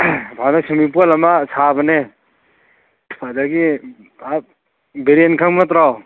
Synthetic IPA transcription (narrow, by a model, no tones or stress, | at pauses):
bʰanasumip̬olamasabane | pʰadaɡi | a | beɾienkʰaŋmat̪ɾaw